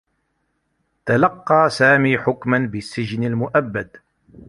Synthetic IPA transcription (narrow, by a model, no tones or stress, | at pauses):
t̪alɑqːɑːsaːmiːħʊkmanbɪsːɪd͡ʒnalmʊʔabːad̪